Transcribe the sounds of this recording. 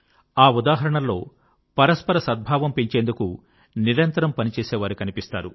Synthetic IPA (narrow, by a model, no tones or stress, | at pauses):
aːud̪aːɦɐɾɐɳɐlːo̞ː | pɐɾɐspɐɾɐsɐd̪̚bʱaːʋɐmpiɲt͡ʃeːnd̪uku | niɾɐnt̪ɐɾɐmpɐnit͡ʃeːseːʋaːɾikɐnipist̪a̰ːɾu